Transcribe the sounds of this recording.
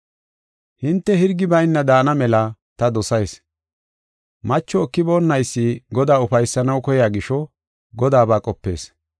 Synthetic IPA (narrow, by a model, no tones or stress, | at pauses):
hɪnt̪ːɛhɪɾɡɪbɐjnːɐd̪aːnɐmɛlɐt̪ɐd̪ɔsɐjs | mɐt͡ʃːɔːkːɪbo̞ːnːɐjsːɪɡɔd̪aːʊfɐjsːɐnɐwkɔjaːɡɪʃɔ | ɡɔd̪aːbaːkʼɔpːe̞̰ːs